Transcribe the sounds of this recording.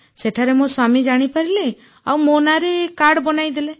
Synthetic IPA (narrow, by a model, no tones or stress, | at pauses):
seʈʰaɾemõswamid͡ʒaɽ̃ipaɾile | a̰wmonaɾekaɽbɔnajd̪ile